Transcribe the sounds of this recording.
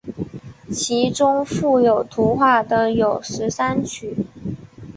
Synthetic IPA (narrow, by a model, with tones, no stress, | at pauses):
t͡ɕʰi˧˥ʈ͡ʂʊ˥ŋfu˥˩jo˨˩ʊt̪ʰu˧˥xwa˥˩d̪ə˩jo˨˩ʊʂɻ̩˧˥sa˥nt͡ɕʰy˨˩˦